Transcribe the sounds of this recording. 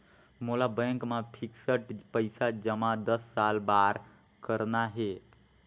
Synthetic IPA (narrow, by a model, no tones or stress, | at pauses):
molabɛ̃ŋkmãpʰiksəʈpəɪsad͡ʒəmãd̪əsːalbaːɾ | kəɾnaɦe